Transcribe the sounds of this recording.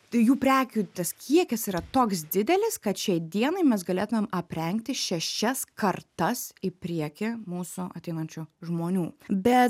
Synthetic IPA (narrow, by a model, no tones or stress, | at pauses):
juːpʲɾʲæːkʲuːt̪ɐskʲʰiɛkʲɛsiːɾɐt̪oːksd̪ʲɪd̪ʲɛlʲɪskɐt̪ʃʲɛɪd̪ʲiɛnɐɪmʲɛs̬ɡɐlʲeːt̪ʊmʲeːmɐpʲɾʲɛŋkt̪ʲɪʃʲɛʃʲɛskɐrt̪ɐsɪpʲɾʲiɛkʲɪmuːsʊʔɐ̰t̪ʲɛɪnɐnʲt͡ʃʲʊʒmoːnʲuːbʲɛ